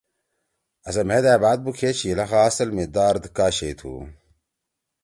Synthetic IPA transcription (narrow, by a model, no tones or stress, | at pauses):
ɐsɐm̤ed̪æːbaːd̪̚bukʰeːt͡ɕʰilɐxaɐsɐlmid̪aːɾd̪kaːɕeːt̪ʰṵː